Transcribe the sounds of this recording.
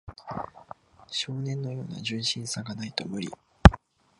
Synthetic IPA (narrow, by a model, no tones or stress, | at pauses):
ɕo̞ːnẽ̞nːo̞jo̞̰ːna̰ʑɨ̃ɰ̃ɕĩɰ̃saɡanait̪o̞mɯ̟ɾʲḭ